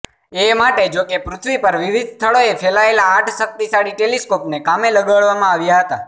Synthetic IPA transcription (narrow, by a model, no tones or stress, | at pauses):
emaʈed͡ʒokepɾʊt̪ʰʋipəɾʋiʋid̪ʱst̪ʰəɭoefʰelaelaːʈʰʃək̚t̪isaɽiʈeliskopnekameləɡəɭʋamãaʋjaɦət̪a